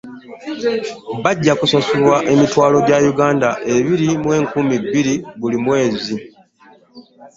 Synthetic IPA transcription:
βaɟːakusasulwaʔe̞mitwaːlo̞ɟajuɡaːndaʔe̞βiɾimwe̞ːŋkumibːiɾiβulimwe̞ːzi

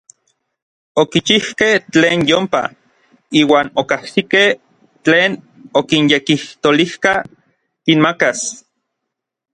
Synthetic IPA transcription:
okit͡ʃihkeht͡ɬeːnjompa̰ | iːwaːnokahsikeh | t͡ɬeːn | okinjekiht̪olihka | kinmakas

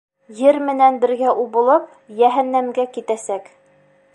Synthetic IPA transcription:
jɘɾmɘ̆nænbɘ̆ɾɡæʔuβŏlˠɤp | jæɦænːæmɡækit̪æsæk

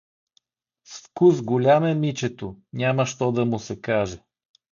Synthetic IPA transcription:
sfkusɡolʲamɛmit͡ʃɛt̪onʲaməʃt̪ɔd̪ɐmʊsɛkaʒɛ

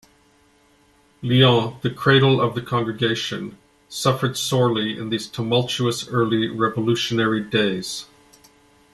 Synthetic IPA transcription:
liɑ̃ðɨkʰɹ̥eɪɾl̩ˠʌvðɨkʰɑ̃ŋɡɹɨɡeɪʃɨ̰̃n | sʌfə˞d̥sɔɹlˠiɪ̰̃nðiz̥tʰumʌlˠt͡ʃuəsɜ˞lˠiɹɛvəlʉʃɨnɛɹideɪz̥

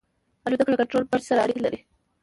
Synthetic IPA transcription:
alud̪aklakaɳʈɾolpəɾsaɾaːɽilaɾi

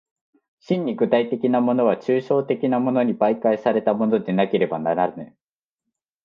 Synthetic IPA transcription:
ɕĩɲ̟ːiɡɯ̟t̪ait̪e̞kʲinamo̞no̞β̞at͡ɕɨːɕo̞ːt̪e̞kʲinamo̞no̞ɲ̟ibaikaisaɾe̞t̪amo̞no̞d̪e̞nake̞ɾe̞banaɾaɾɯne

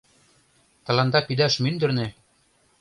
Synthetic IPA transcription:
t̪ɑ̆lɑnd̪ɑpid̪æʃmynd̪ɘ̆rnĕ

